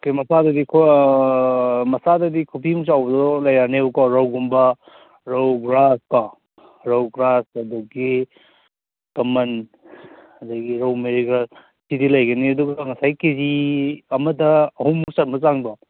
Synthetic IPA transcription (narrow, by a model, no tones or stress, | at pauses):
kemɐsadɐdikʰ | mɐsadɐdikʰupimusawbɐdɔɔlɐjanebukɔɾawɡumbɐ | ɾɐwɡɾaska | ɾawɡɾasɐduɡi | kɐmɐn | ɐdɐɡiɾɐwmeɾiɡɐ | sidilɐjɡɐniɐduɡɐŋɐsajkeziɐmɐtɐːhumːuksatmɐzaŋbɐ